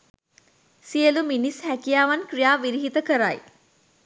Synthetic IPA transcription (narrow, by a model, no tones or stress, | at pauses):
sijəluminishækijaːʋankrijaːʋiɾiɦit̪əkəɾaj